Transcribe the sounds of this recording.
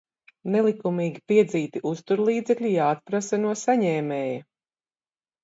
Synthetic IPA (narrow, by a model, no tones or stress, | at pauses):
nɛlˠikumiːɡʲipiɛd̪ziːt̪iʔust̪uɾlˠiːd̪zɛkʎʲijaːt̪̚pɾasɐnuɔsaɲɛːmɛːjɐ